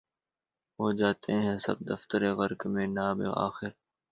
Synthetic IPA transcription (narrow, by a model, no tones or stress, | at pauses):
ɦoːd͡ʒaːt̪ʰeɦɛ̃sɐ̰b̚d̪ɐft̪əɾeɣɐɾkmẽnaːbḛa̰ːxɪɾ